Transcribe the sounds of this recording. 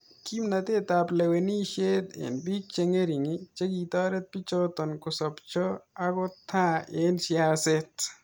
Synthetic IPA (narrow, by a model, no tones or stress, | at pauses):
kimnɐt̪et̪aːpleweniʃet̪ḛnbik̚t͡ʃeŋɡeɾiŋit͡ʃɐɡit̪ɔːɾet̪̚pit͡ʃot̪ɔnkosɐbt͡ʃʰoɐɡot̪ʰːãeːnsijaːset̪